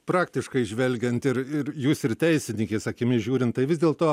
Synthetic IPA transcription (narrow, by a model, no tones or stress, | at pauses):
pɾɑːkt̪ʲɪʃkɐɪʒʲʋʲɛlʲɡʲɛnt̪ɪɾɪɾjuːsɪrt̪ʲɛɪsʲɪnʲɪŋkʲeːsɐkʲɪmʲɪʒʲuːɾʲɪnt̪t̪ɐɪʋʲɪzd̪ʲeːlˠt̪oː